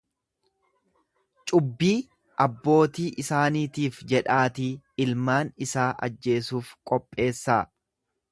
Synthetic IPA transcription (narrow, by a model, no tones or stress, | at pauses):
t͡ʃʼʊbːiː | ʔɐbːo̞ːt̪iːʔɪsaːniːt̪iːfd͡ʒɛᶑaːt̪i | ɪlmaːnɪsaːʔɐ̰d͡ʒːe̞ːsuːfkʼɔpʼːe̞ːsːaː